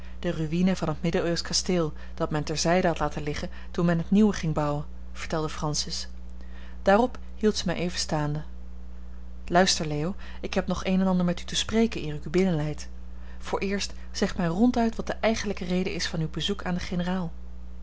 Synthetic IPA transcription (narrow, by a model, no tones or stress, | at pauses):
d̥əryʋinəvɑnɦətmɪdəøskasteːlˠ | d̥ɑtmɛntɛɹzɛjdəɦɑtlaːtəlɪχə | tunmɛnɦətniwəχɪŋbɑwən | v̥əɹtɛlˠdəfrɑnsɪs | d̥aːrɔp | ɦilˠtsəmɛjʔejvəstaːndə | lœɥstəɹleːow | ɪkɦɛpnɔχejnɛnɑndəɹmɛtytəsprejkənɪːryybɪnənlɛjt | fʊːɹʔɪːɹst | z̥ɛχtmɛjrɔntœɥtʋɑt̚d̥əʔɛjχənləkərejdə̰ʔɪsfɑnywbəzukaːndəχenəraːlˠ